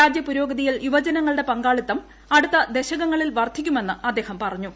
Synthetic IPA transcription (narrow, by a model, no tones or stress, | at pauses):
ɾaːd͡ʑjɐpuɾo̞ːɡɐðijiluʋɐd͡ʑɐnɐŋːɐɭɽe̞pɐŋɡaːɭit̪ːɐm | ɐɽut̪ːɐd̪e̞ɕɐɣɐŋːɐɭilʋɐrt̪ʰːikʲːume̞nːɨɐd̪ːe̞ːhɐmpɐrɐɲːu